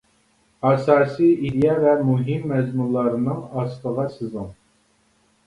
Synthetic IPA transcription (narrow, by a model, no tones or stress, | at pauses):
ɑsɑːsiid̪jɑvɛmuɦimːɛzmunlˠɑɾɨnɨŋɑst̪əʁɑsɨzɨŋ